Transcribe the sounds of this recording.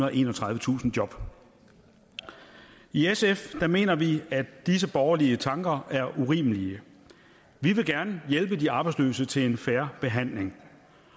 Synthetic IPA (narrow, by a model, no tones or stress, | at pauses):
ðˠʔe̝̰ːnɒt͡sʰʁɑ̈ðˠʋət͡sʰṵːsn̩d̥jɒ̽b̥ | iesefd̥æme̝̰ːnɐʋiæd̥is̬əb̥ɒʊɐliət͡sʰɑ̈ŋɡ̥ɐæɐʔuʁḭːməliə | ʋiʋe̝ɡ̥æɐnəjelb̥əd̥iɑ̈ːb̥ɑ̈ɪdslø̰ːsət͡sʰe̝le̝nfæɐb̥e̝ɦæn̰le̝ŋ